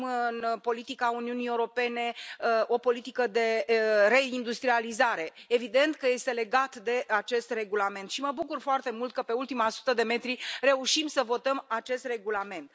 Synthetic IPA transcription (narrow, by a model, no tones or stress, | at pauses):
mɨnpo̞lit̪ikauniunieuɾo̞pe̞ne̞o̞po̞lit̪ikəd̪e̞re̞ind̪ust̪ɾializaɾe̞evid̪e̞nt̪kəje̞st̪e̞le̞ɡat̪d̪e̞at͡ʃe̞st̪re̞ɡulame̞nt̪ʃiməbukurfoart̪e̞mult̪̚kəpe̞ult̪imasu̥t̪əd̪e̞me̞t̪ɾire̞uʃimsəvo̞t̪əmat͡ʃe̞st̪re̞ɡulame̞nt̪̚